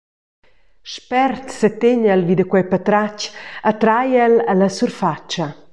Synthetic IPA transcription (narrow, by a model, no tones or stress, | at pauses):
ʃpɛrt̪set̪eɲalvid̪əkwɛjpat̪ɾacat̪ɾajɛlalasurfat͡ʃa